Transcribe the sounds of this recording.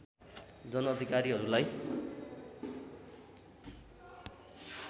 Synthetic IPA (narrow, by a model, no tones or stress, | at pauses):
d͡zʌnʌːd̪ʱikaɾiɦʌɾulaj